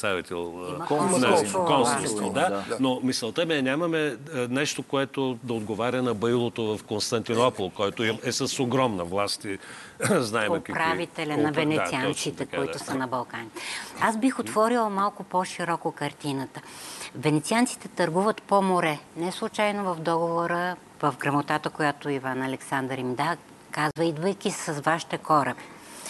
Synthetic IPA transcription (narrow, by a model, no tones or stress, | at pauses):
savit̪ɛlˠnaokɔsod̪anomisɛlˠt̪əmiɛnʲamɐmɛnɛʃt̪okoɛt̪od̪ɐod̪ɡovaɾʲənɐbəjlˠot̪ovɐfkonst̪ɐnt̪inɔpolˠkɔjt̪oimɛsɐsoɡɾɔmnɐvlˠast̪iznaɛokpɾavit̪ɛlʲɐnɐvɛnɛiant̪sit̪ɛkoiʊsɐnɐbɐlˠkanit̪ɛazbixot̪vɔɾilˠmalˠkʊpoʃiɾɔkʊkɐɾt̪inət̪əvɛnɛt̪siant̪si̥t̪ɛt̪ɐɾɡuvət̪pomoɾɛnɛslˠʊt͡ʃajnovɐvd̪ɔɡovoɾə | vɐfɡɾɐmot̪at̪əkojat̪ʊivanɐlɛksand̪ɾimd̪a | kazvəid̪vəjkʲisɐzvaʃi̥t̪ɛxɔɾəb